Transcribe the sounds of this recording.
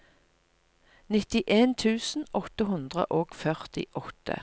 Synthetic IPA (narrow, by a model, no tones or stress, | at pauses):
nɪt̪ɪʔeːnt̪ʰʉːsn̩ɔt̪əɦʉnd̪ʁə̰ʔoːɡ̥fœʁt̪ɪ̰ʔɔt̪ʰə̰